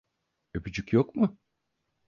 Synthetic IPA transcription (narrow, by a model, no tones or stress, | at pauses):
øbyd͡ʒycjokmʊ